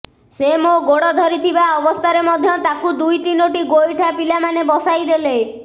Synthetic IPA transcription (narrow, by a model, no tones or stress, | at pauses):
semoɡoɽɔd̪ʱɔɾit̪ʰibaɔbɔst̪ʰaɾemɔd̪ʱjɔt̪akud̪ujt̪inoʈiɡojʈʰapilamanebɔsajd̪ele